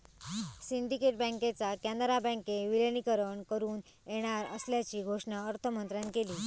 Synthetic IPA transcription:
siɳɖikeʈ̚bə̃ŋket͡sakænd̪ɾabə̃ŋkeʋilənikəɾəɳkəɾuːn | jeɽ̃aɾə̰sljat͡ɕiːɡʱoʂɳaəɾt̪ʰəmənt̪ɾankeliː

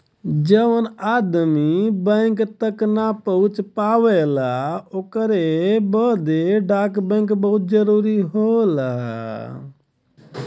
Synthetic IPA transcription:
d͡ʒəʋənad̪mibə̃ɪ̃kt̪əknapəɦũt͡ʃpaʋelaokɾebəd̪eɖakbə̃ŋkbəɦut̪̚d͡ʒəɾuɾiɦola̰

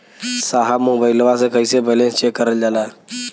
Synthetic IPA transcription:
səɦamobəjlʋasəkəjsebəlẽnst͡ɕekːəɾəld͡zala

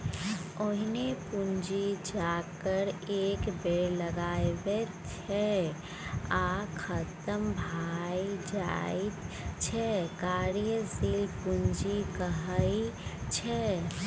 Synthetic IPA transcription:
oɦnepund͡ʒid͡ʒaːkəɾeːkbeɾləɡaːewe | t͡ʃt͡ʃʰɛ | akʰət̪əmbʱaid͡ʒa̰i | t͡ʃʰɛkaːɾjəsilpuɲd͡ʒikəɦəit͡ʃʰɛ

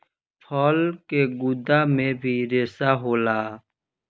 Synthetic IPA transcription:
pʰɔːlkeɡʊd̪amẽbʱiɾeːsaɦoːlaː

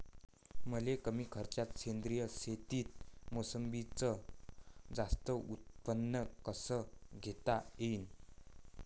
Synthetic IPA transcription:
məlekəmiːkʰəɾt͡ɕjat̪ɕend̪ɾijəset̪iːt̪̚mosəmbit͡sə | d͡zast̪əʔut̪̚pənːəkəsəɡʱet̪aejn

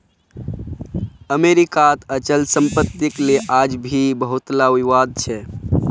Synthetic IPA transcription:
əmeɾikat̪ət͡ʃəlsə̃mpət̪ːikleʔad͡ʒbʱibəɦut̪laʋiʋad̪̚t͡ʃʰɛ

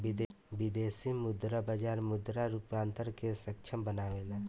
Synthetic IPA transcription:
bɪd̪ | bɪd̪eːsimʊd̪ɾabad͡ʒaːɾmʊd̪ɾaɾʊpãːnt̪əɾkesəkt͡ʃʰəmbənaːʋelaː

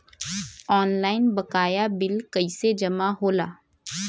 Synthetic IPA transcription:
ɔːnlaːɪnbɐkaːjabɪlkɐised͡ʒɐmaɦoːla̰ː

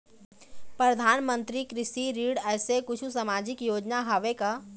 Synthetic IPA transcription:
pɾɐd̪ʱaːnmə̃nt̪ɾikɾɪsiɾiːɽɛːsekʊt͡ʃʰusɐmaːd͡ʒɪkjoːd͡ʒnaɦaʋeka

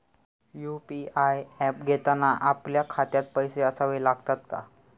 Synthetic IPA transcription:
jupiajɛp̚ɡʱet̪anaʔapljakʰat̪jat̪̚pəjseəsaʋəjlaɡt̪at̪ka̰

